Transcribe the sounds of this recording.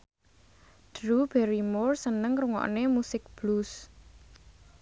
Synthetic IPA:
d̥ɾub̥ɛɾimʊrsənəŋkɾuŋɔ̰ʔnemusɪk̚b̥lus

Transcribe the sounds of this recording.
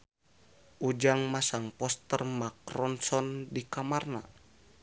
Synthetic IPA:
ʔud͡ʒaŋmasaŋpɔst̪ərmakɾɔnsɔndikamarna̰

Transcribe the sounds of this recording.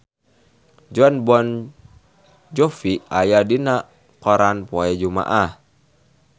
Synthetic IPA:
d͡ʒɔnbɔn | d͡ʒɔfiajadina | kɔɾanpɔɛd͡ʒuma̰ʔah

